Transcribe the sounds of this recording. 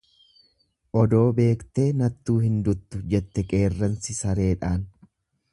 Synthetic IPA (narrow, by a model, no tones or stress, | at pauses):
ʔɔd̪o̞ːbe̞ːkt̪e̞ːnɐt̪ːuːhɪnd̪ʊt̪ːʊd͡ʒɛt̪ːɛkʼe̞ːrːɐnsɪsɐɾe̞ːᶑaːn